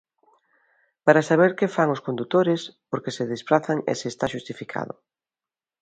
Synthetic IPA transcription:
paɾasaβ̞eɾkefaŋʊskond̪ut̪oɾespoɾkeseðesfɾaθaŋḛseːst̪aʃust̪ifikʰa̰ðʊ̰

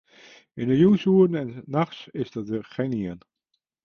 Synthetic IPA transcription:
ɪnəjuːsuəɾənɛnːɑχsɪzdɑtəχeniən

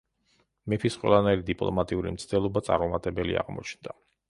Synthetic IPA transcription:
mɛpʰisqʼwɛ̰lˠanaiɾid̪ipʼlˠɔ̰mat̪ʼiuɾḭmt̪sʰd̪ɛlˠɔbat̪sʼa̰ɾmɔmat̪ʼɛbɛlḭa̰ʁmɔ̰t͡ʃʰnd̪̥a

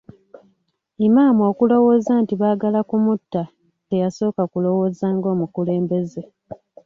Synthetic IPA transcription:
imaːmo̞ːkulo̞wo̞ːzaːntiβaːɡalakumutːa | te̞jaso̞ːkakulo̞wo̞ːzaːŋɡo̞ːmukule̞ːmbe̞ze̞

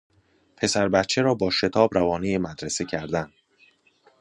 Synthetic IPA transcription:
pʰe̞sæɾbæt̪t͡ʃʰe̞ɾɒːbɒːʃe̞t̪ʰɒːbɾævɒːnijemæd̪ɾese̞cʰæɾd̪æn

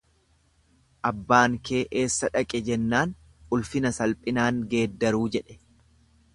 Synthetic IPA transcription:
ʔɐbːaːŋke̞ːʔeːsːɐᶑɐkʼɛd͡ʒɛnːaːn | ʊlfɪnɐsɐlpʼɪnaːŋɡe̞ːd̪ːɐɾuːd͡ʒɛᶑɛ̥

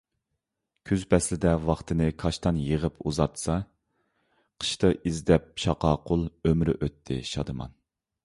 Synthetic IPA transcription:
kʲʰyzpʰɛslɪd̪ɛwɑχt̪ʰɨnɨkʰɑʃt̪ɑnjəʁəpʰuzɑt̪sɑ | qʰə̥ʃt̪ɨʔizd̪ɛp̚ʃɑqɑːqʰʊlˠømɾɪ̰ʔøt̪ʰːɪ̰ʃɑ̰d̪ɨmɑ̰n

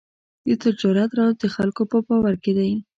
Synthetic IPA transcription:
d̪̥ət̪ɪd͡ʒɑɾat̪ɾɑwzd̪əxalkopəpɑwaɾked̪aj

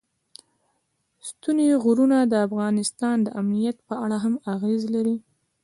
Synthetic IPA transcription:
st̪uneɣuɾunad̪əafɣɑnɪst̪ɑnd̪əʔamnijat̪pəaɽaɦamaɣezlaɾi

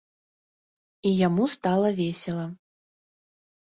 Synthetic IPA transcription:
ijamust̪alˠɐvʲesʲɛlˠɐ

